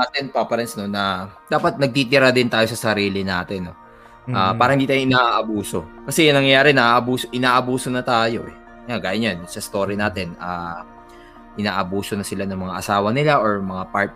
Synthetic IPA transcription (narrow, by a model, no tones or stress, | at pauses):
aːt̪ɛnpapɐɾɛnsno̞nːɐd̪aːpɐt̪̚nɐɡ̚t̪it̪ɪɾad̪ɪnt̪aːjo̞sɐsɐɾiːlɪnaːt̪ɛnːo̞ | ʔaːpaːɾɐhɪnd̪iːt̪aːjõʔɪnaːʔaʔɐbuːso̞kɐsɛjɐŋnɐŋjɐjaːɾɛnɐʔaːʔɐbuːsoʔɪnaːʔɐbuːsonɐt̪aːjo̞̰ | jaɡaːjɐnjansɐst̪o̞ːɾinaːt̪ɛnaː | ʔɪna̰ːʔɐbuːso̞nɐsɪlanɐŋmɐŋaʔɐsaːwɐnɪlaʔoɹmɐŋapaɹt̪̚